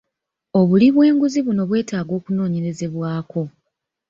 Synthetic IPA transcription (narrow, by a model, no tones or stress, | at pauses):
o̞βuliβwe̞ːŋɡuziβuno̞βwe̞ːtaːɡo̞ːkuno̞ːɲe̞ɾe̞ze̞βwaːko̞